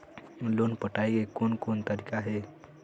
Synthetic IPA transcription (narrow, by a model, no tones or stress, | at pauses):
lonpəʈajɡekonkont̪aɾikaɦe